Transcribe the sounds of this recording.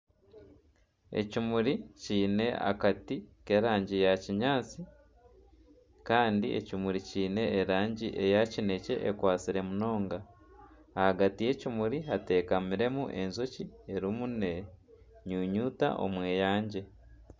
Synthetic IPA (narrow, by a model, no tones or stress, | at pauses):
ḛcimuɾiciːne̞a̰katike̞ɾaːɲɟijaciɲaːt͡si | kaːndiʔḛcimuɾiciːne̞ːɾaːɲɟiʔe̞jacine̞ce̞̰ʔekwaːt͡siɾe̞muno̞ːŋɡaː | haɡatije̞cimuɾiɦate̞ːkamiɾe̞muʔe̞nzocieɾumune | ɲuːɲuːta̰ʔo̞̰mwe̞ːjaːɲɟe̞